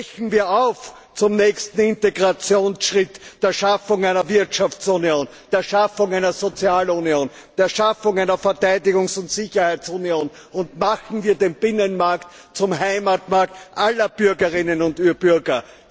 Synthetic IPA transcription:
çn̩viːɐaʊf | t͡sʊmnɛçstn̩ɪnteɡʁat͡sjoːnsʃʁɪtd̥eːɐʃafʊŋæɪnɐvɪɐtʃaft͡sunioːn | d̥eːɐʃafʊŋæɪnɐzot͡sjaːlunjoːn | d̥eːɐʃafʊŋæɪnɐfɛɐtæɪdɪɡʊŋsʊntsɪçɐhæɪt͡sunioːn | ʊntmaχn̩viːɐdenb̥ɪnənmaɐkt | t͡sʊmhaɪmatmaɐktʔalɐb̥ʏɐɡəʁɪnənʊntyb̥yɐɡɐ

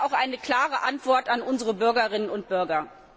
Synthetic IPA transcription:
aʊxʔaɪnəkl̥aːʁəʔantv̥ɔɐtanʔʊnzəʁəbʏɐɡɐʁɪnənʊnt̚b̥ʏɐɡɐ

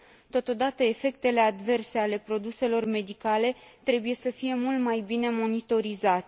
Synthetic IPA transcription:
t̪o̞t̪o̞d̪at̪əe̞fe̞k̚t̪e̞le̞ad̪ve̞rse̞ale̞pɾo̞d̪use̞lo̞rme̞d̪ikale̞t̪ɾe̞buje̞səfije̞mult̪majbine̞mo̞nit̪o̞ɾizat̪e

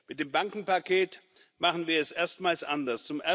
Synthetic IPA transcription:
mɪt̚d̥eːmbaŋkŋ̩pakʰeːt | maχn̩viːɐɛsʔeːɐstmaːlsʔandɐst͡sʊmʔɛ

